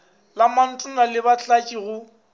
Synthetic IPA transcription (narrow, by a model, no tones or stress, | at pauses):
laman̩tʼʊnalɪbat͡ɬʼakʼiɣʊ